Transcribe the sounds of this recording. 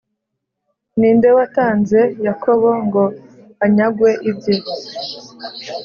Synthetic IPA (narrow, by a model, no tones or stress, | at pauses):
niːnde̞wataːnze̞jakʰo̞βoŋɡo̞ | aɲaɡwe̞ʔibje